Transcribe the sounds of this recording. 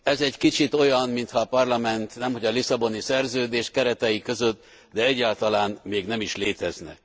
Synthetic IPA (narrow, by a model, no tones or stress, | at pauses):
ɛzɛɟkit͡ʃit̪o̞jɒnmint̪hɒːpɒrlɒmɛnt̪nɛmho̞ɟɒlisɒbo̞nisɛrzøːd̪eːʃkɛɾɛt̪ɛjikø̞zøt̪ː | d̪ɛɛɟːaːlt̪ɒlaːnmeːɡnɛmiʃleːt̪ɛznɛ̰